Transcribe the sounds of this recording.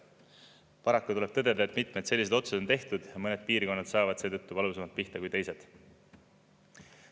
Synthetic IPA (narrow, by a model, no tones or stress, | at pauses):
pɑɾɑkːut̪ule̞b̥̚t̪ɤ̞d̪e̞d̪ɑet̪mit̪ˑme̞d̪se̞lːise̞d̪o̞t̪sud̪ot̪e̞ht̪ud̪̥jɑmɤne̞d̪̥̚piːrko̞nːɑd̪sɑːvɑd̪̥seːt̪ɤt̪ːuvɑlusemɑlt̪̚piht̪ɑkujt̪e̞jse̞d̪̥